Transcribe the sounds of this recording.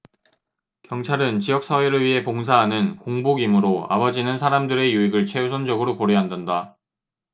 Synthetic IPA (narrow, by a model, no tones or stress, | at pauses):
kjʌŋt͡ɕʰaɾɯnt͡ɕijʌk̚s͈ʰʌwiɾɯɭɥiɦe̞poŋs̬ʰaɦanɯnkoŋboɡimɯɾoa̰bʌd͡ʑinɯnsʰaɾamdɯɾe̞juiɡɯɭt͡ɕʰeus̬ʰʌnd͡ʑʌɡɯɾopoɾeɦandʌnda